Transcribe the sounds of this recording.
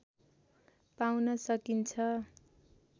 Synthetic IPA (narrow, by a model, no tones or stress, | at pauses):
pawnʌsʌkint͡sʰʌ